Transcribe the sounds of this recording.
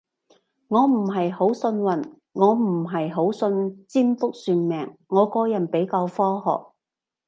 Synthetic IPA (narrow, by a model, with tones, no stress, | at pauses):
ŋɔː˨˧m̩˨˩ɦɐ˨jho˨˥wsɵ˧nwɐ˨˩n | ŋɔː˨˧m̩˨˩ɦɐ˨jɦo˨˥wsɵ˧nt͡siː˥nfʊ˥k̚syː˧nmɛː˨˩ŋːɔː˨˧kɔː˧jɐ˨˩npe˨˥jkaː˧wfɔː˥ɦɔ̰ː˨˩k̚